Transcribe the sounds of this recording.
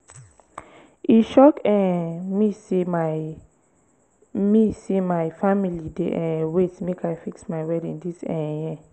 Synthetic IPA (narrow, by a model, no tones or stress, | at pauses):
iʃɔkɛ̃misi | misimajfamilidḛʔɛ̃wetmekʰajfiksmajwɛdĩndisɛ̃jɛ